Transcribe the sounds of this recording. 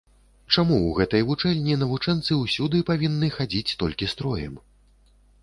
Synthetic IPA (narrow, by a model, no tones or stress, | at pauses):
t͡ʂamuwɣɛt̪ɐjvut͡ʂɛlʲnʲinɐvut͡ʂɛnt̪sɨwsʲud̪ɨpavʲinːɨxad͡zʲit͡sʲt̪ɔlʲkʲist̪ɾɔjɛ̰m